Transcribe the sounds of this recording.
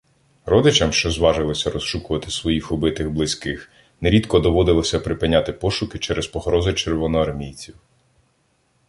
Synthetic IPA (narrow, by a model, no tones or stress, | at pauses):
ɾɔd̪ɪt͡ʃɐmʃt͡ʃɔzʋɑʒɪlˠɔsʲɐɾɔsʃukʊʋɐt̪ɪ̥sʋɔjixɔbɪt̪ɪɣblˠɪsʲkɪx | neɾʲid̪kɔd̪ɔʋɔd̪ɪlˠɔsʲɐpɾɪpɪnʲat̪ɪpɔʃʊkɪt͡ʃɛɾʔɛspɔɦɾɔzʊt͡ʃeɾʋɔnɔɐrmʲijt͡sʲiw